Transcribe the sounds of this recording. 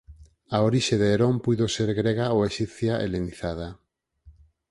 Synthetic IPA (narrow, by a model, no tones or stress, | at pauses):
aoɾiʃeðeːɾompujðoseɾɣɾeɣaoeʃiθjaʔḛleniθað̞a